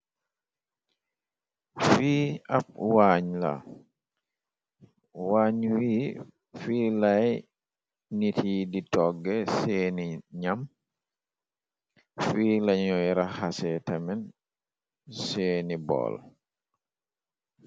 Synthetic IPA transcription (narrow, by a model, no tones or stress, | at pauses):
fiːap̚waːɲla̰ | waːɲwiː | fiːlaj | nitʰiditɔɡːɛseːniɲam | fiːlaɲɔjɾahasɛtamɛn | seːnibɔ̰l